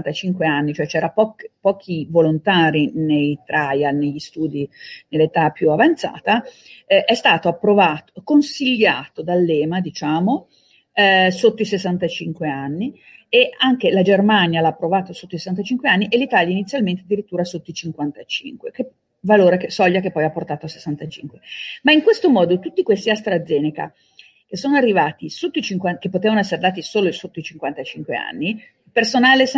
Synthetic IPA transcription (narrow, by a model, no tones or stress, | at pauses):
t̪at͡ʃiŋkweanːit͡ʃoɛt͡ʃɛːɾapɔkpɔːk̟ʰivolont̪aːɾinejt̪ɾʔajaneʎːist̪uːd̪inelːet̪apːjuavant̪sa̰ːt̪a | ɛʔɛst̪aːt̪oapːɾovaːt̪okonsiʎːaːt̪od̪alːɛːmad̪it͡ʃaːmo | sot̪ːoisesːant̪at͡ʃiŋkweanːi | eaŋk̟elad͡ʒermanjalaːpːɾovaːt̪osot̪ːoisesːant̪̬at͡ʃiŋkweanːiʔelːit̪aːljainit̪sjalmẽnt̪ead̪ːiɾit̪ːuːɾasot̪ːoit͡ʃiŋkwant̪at͡ʃḭŋkweke | valoːɾekesɔʎːakepːɔjapːort̪aːt̪oase̥sːant̪at͡ʃḭŋkwemaiŋkwest̪omɔːd̪ot̪ut̪ːikwest̪iast̪ɾad̪zːɛːneka̰ | k̟esːoːnoarːivaːt̪isot̪ːoit͡ʃiŋkwakepːot̪eːvanoɛsːeɾed̪aːt̪̬isoːloisot̪ːoit͡ʃiŋkwant̪at͡ʃiŋkwea̰nːi | personaːles